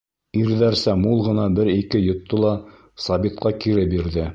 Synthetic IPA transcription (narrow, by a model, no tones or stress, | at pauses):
iɾðæɾsæmulˠʁɤ̆nɑbɘɾikɘjŏt̪ːolˠɑ | sɑβit̪̚qɑkiɾɘbiɾðɘ